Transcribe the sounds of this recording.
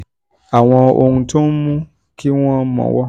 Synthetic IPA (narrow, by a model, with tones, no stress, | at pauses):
a˨w̃ɔ̃˧o˧hũ˧to˦n̩˦mũ˦ | ki˦w̃ɔ̃˦mɔ̰̃˨wɔ˦